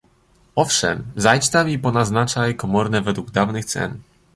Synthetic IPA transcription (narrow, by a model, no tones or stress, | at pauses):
ɔfʂɛ̰mzajt͡ɕt̪amipɔnaznat͡ʂajkɔmɔɾnɛvɛd̪wuɡ̚d̪avnɘxt̪sɛ̰n